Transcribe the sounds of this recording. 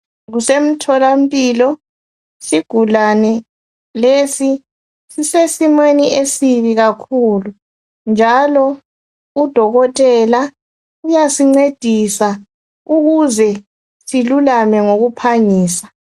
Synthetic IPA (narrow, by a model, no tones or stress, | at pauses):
ɣusem̩tʰɔlam̩pʼiːlɔ | siɡ̥ʱulanɛ | lesi | sisesimweniʔesiβiɣakʰulu | nd͡ʒʱalɔ | ud̥ʱɔɣɔtʼɛla | ujasiŋ͡ǀed̥ʱisa | uɣuzɛ | silulamɛŋoɣupʰaɲiːsḁ